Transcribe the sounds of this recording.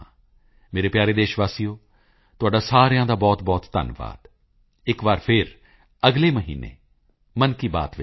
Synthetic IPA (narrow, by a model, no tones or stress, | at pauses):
meːɾeːpjaːɾeːd̪eːʃʋaːsijoː | t̪ʊaːɖaːsaːɾjãːd̪aːbɔːt̪bɔːt̪ːə̰nʋa̰ːd̪ | ɪkʋaːɾpʰɪɾ | əɡleːməɦḭːnḛː | mənkiːba̰ːt̪ʋɪ